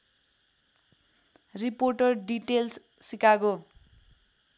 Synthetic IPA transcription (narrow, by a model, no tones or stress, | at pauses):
riporʈʌrɖiʈels | sikako